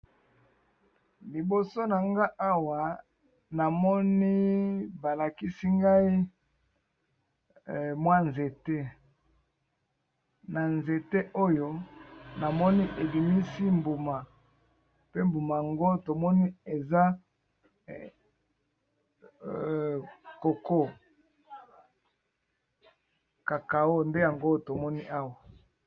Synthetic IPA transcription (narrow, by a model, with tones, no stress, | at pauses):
li˨bo˨so˦na˨ŋɡa˦ʔa˦wa˨ | na˨mɔ˦ni˦ba˨la˨ki˦si˦ŋɡa˦i˦˨ | mwa˦nze˨te˦ | na˨nze˨te˦ʔo˦jo˦na˨mɔ˦ni˦ʔe˨bi˨mi˦si˦mbu˨ma˨ | pe˦mbu˨ma˨ja˨ŋɡo˦to˨mɔ˦ni˦e˨za˦ | ko˨ko˦ | ka˨ka˨˦o˦˨nde˦ja˨ŋɡo˦to˨mɔ˦ni˦ʔa˦wa˨